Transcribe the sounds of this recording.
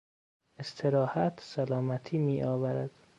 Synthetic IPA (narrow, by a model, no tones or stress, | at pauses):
est̪ʰeɾɒːhæt̪ʰsælɒːmæt̪ʰiːmiːʔɒːvæɾæd̪̥